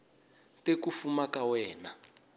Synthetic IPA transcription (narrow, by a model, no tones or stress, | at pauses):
tekufumakawɛːna